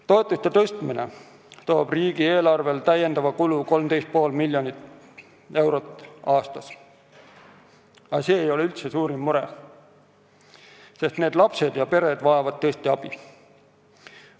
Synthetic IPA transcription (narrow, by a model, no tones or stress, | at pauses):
t̪o̞e̞t̪ˑːust̪e̞t̪ɤst̪minḛ | t̪o̞ːb̥riːɡ̥ie̞ːlɑrve̞lt̪æjːe̞nd̪̥ɑvɑkuluko̞lmd̪e̞jst̪̚po̞ːlmilʲjonit̪ | e̞wɾot̪ːˑɑːst̪ɑs | ɑseːjo̞leylt̪se̞suːɾimːuɾe | se̞st̪ne̞ːd̪lɑpse̞d̪jɑpe̞ɾe̞d̪vɑevɑd̪̥̚t̪ɤst̪iɑb̥i